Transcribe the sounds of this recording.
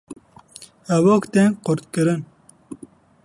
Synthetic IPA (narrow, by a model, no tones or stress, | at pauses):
hɛvokt̪enqʊɾt̪̚kɨɾɨn